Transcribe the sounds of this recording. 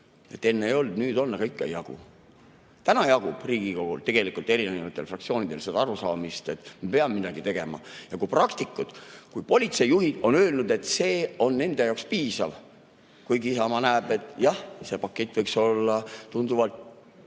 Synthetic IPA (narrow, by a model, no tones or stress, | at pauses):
e̞t̪ːe̞nːeejo̞ld̪̥nyːd̪o̞nːɑɡɑikːeḛjɑɡ̥ṵ | t̪ænɑjɑɡ̥ub̥riːɡ̥iko̞ɡ̥ṵlt̪e̞ɡ̥e̞likult̪ˑe̞ɾineevɑt̪ːˑe̞lfrɑkt̪sio̞ːnid̪̥e̞lsed̪ɑɑɾusɑːmist̪e̞t̪mepe̞ɑmmid̪ɑɡ̥it̪e̞ɡ̥e̞mɑ̰jɑkujprɑkt̪ikːˑud̪̥kujpo̞lʲit̪se̞jːuɦid̪̥o̞nø̞ːlnud̪̥e̞t̪ːˑse̞ːo̞nːe̞nd̪e̞jɑowkspiːsɑ̰v | kujɡiisɑmɑnæːb̥e̞t̪ːˑjɑhse̞pɑkːˑe̞t̪ːˑvɤjkso̞lːɑt̪und̪uvɑlt̪